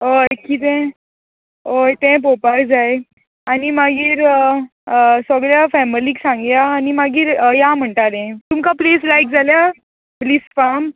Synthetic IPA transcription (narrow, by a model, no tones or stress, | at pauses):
okit̪ɛ̃ | ojt̪ɛ̃p̬opaɾd͡zaj | animaɡiːɾ | səɡɭjafɛmliːksãŋɡjaːnimaɡiːɾjam̤əɳʈaɾẽt̪umkapleslajk̚d͡zʱalja | pliːsfam